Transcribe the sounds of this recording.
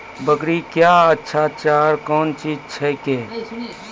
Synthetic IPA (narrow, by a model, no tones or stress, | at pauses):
bəkɽikjaːətːʃʰat͡ʃaːɾkɔːnt͡ʃiːd͡ʒt͡ʃʰɛkeː